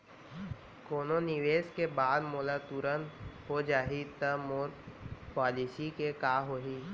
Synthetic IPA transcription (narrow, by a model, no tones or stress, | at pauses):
koːnonɪʋeːskebaːd̪moːlat̪uːɾənɦod͡ʒaːɦit̪əmoːɾpaːlisikekaːɦoːɦiː